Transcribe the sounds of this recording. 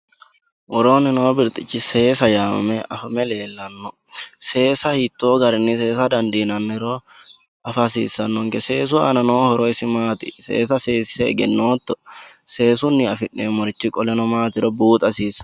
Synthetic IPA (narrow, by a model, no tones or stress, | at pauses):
ʔɔɾo̞ːnːɪnoːbɪɾt̪ʼɪt͡ʃːɪseːsɐjaːmɐ̰mɛɐfɐmɛle̞ːlːɐnːɔ | se̞ːsɐhit̪ːoːɡɐɾɪnːɪse̞ːsɐd̪ɐnd̪inɐnːɪɾo | ɐfɐsḭːsːɐnːɔŋɡɛse̞ːs̬ʊɐ̰nɐnoːhɔɾɔɪsɪmaːt̪ɪsḛːsɐse̞ːsɪ̥sɛɛ̰ɡɛnːoːt̪ːɔse̞ːsʊnːɪɐfɪnːemɔɾt͡ʃːɪkʼɔlɛnɔmaːt̪ɪɾɔbuːt̪ʼɐsiːs